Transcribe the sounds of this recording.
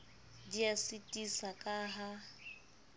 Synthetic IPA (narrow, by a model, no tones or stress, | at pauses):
diasitʼisakʼaːɦa